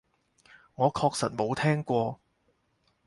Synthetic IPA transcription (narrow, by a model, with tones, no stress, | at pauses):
ŋɔː˨˧kʰɔː˧k̚sɐ˨t̚mo˨˧wt̪ʰɛː˥ŋkʷɔː˧